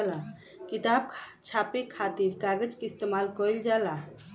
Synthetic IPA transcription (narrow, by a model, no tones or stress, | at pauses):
la | kit̪ab̚kʰt͡ʃʰapekʰːat̪iɾkaɡəd͡ʒkeist̪emalkɔjld͡ʒala